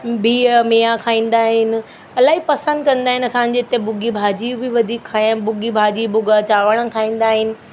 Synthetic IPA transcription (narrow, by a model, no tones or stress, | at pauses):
bʱimeːakʰaːĩːn̆d̪aːɦɪnɪ̆ | ɐlaːɦipɐsə̃nd̪̚kɐ̃nd̪aːɦɪ̃nɪɐsãɲ̆d͡ʑeɪt̪ebʊɡibʱaːd͡ʑibɪʋɐd̪ʱiːkʰːaːabʊɡibʱaːd͡ʑiːbʊɡat͡ɕaːʋəɽ̃əkʰaːĩːn̆d̪aːɦɪnɪ̆